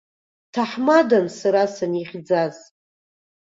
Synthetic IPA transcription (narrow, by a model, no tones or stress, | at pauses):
tʰaħmadansaɾasaniχʲd͡zaz